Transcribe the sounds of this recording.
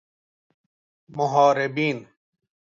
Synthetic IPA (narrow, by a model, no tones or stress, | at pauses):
mʊɦaːɾɪbiːn